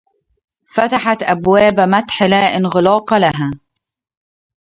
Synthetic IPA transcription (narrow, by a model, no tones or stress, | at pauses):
fat̪aħat̪ʔabwaːbmat̪ħɪlaːʔɪnɣʊlɑːqɑlaɦaː